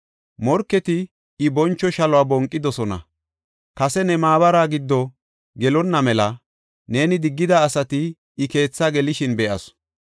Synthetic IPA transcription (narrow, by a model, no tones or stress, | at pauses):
mɔɾkːɛt̪ɪː | bɔnt͡ʃːɔʃɐlɔaːbɔŋkʼːɪd̪ɔsɔnɐ̰ | kɐsɛnɛmaːbɐɾaːɡɪd̪ːɔ | ɡɛlɔnːɐmɛlɐ | ne̞ːnɪd̪ɪɡːɪd̪aːsɐt̪ɪː | ke̞ːt͡sːaɡɛlɪʃɪnbɛʔɐ̰s